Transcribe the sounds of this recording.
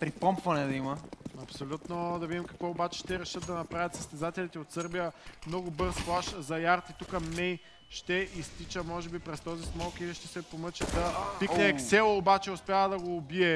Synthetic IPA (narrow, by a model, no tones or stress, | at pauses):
pɾipɔmpvɐnɛd̪ɐiməɐpsolʲut̪nod̪ɐvid̪imkɐkvɔobat͡ʃɛ̥ʃt̪ɛɾɛʃət̪̚d̪ɐnɐpɾavʲjɐt̪sɐst̪ɛzat̪ɛlit̪ɛot̪sɤɾbijəmnɔɡʊbɤɾsplˠaʃzɐjaɾt̪it̪ukəmɛj | ʃt̪ɛʔist̪it͡ʃəmɔʒɛbipɾɛst̪ɔzismɔlˠkiliʃt̪ɛsɛpomət͡ʃɛd̪ɐpiknɛːksɛlˠɐobat͡ʃɛʊspʲjaəd̪ɐɡoːbiɛ